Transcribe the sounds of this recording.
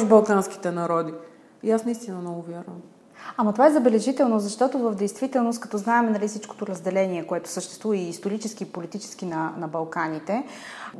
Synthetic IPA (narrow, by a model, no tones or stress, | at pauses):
ʒbɐlˠkanski̥t̪ɛnɐɾɔd̪i | jasnɐist̪inɐmnɔɡʊvʲjaɾvəm | amɐt̪ovaɛzɐbɛlɛʒit̪ɛlˠnozɐʃt̪ɔt̪ovəvd̪ɛjst̪vit̪ɛlˠnost̪kɐt̪ɔznaɛmɛnɐlifsit͡ʃko̥t̪oɾɐzd̪ɛlɛniɛkoɛt̪ʊ̥səʃt̪ɛst̪vuvəiːst̪oɾit͡ʃɛskiːpolit̪it͡ʃɛ̥sk̟inɐnɐbɐlˠkanit̪ɛ